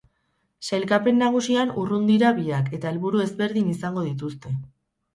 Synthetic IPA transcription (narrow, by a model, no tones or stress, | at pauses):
sajlkape̞nːaɣ̞usianurund̪iɾaβiake̞t̪ae̞lβuɾue̞zbe̞ɾðinisaŋɡo̞ðit̪ust̪e̞